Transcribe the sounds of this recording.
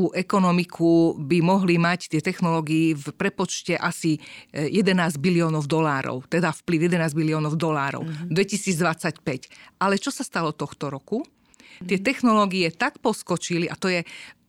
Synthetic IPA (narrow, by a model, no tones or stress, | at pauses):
uʔɛkɔnɔmikʰubimɔɦlimact̪ɪɛt̪ɛxnɔlɔːɡiːfpɾɛpɔt͡ʃcɛʔasijɛd̪ɛnaːzɟbiliɔːnɔʊd̪ɔlaːɾɔ̰ʊt̪ɛd̪afpliʊjɛd̪ɛnaːzɟmiliɔːnɔʊd̪ɔlaːɾɔ̰ʊd̪ʋɛcisiːd͡zd̪ʋat͡sacpɛcʔalɛt͡ʃɔsast̪alɔt̪ɔxt̪ɔɾɔku | t̪ɪɛt̪ɛxnɔlɔːɡiɛt̪akpɔskɔt͡ʃiliʔat̪ɔjɛ